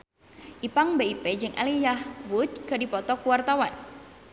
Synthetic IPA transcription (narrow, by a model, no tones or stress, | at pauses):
ʔipaŋbeiped͡ʒɨŋʔa̰lijahwut̪̚kadipɔt̪ɔkuwart̪awan